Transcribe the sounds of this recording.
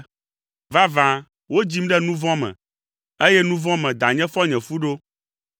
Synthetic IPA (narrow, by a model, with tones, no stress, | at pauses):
va˦vã˨ | wo˦d͡ʑi˦mɖɛ˦nũ˦vɔ̃˦mɛ̰̃˨ | e˦jɛ˦nũ˦vɔ̃˦mɛ̃˨d̪a˨ɲɛ̃˦fɔ˦ɲɛ̃˨fu˦ɖo˦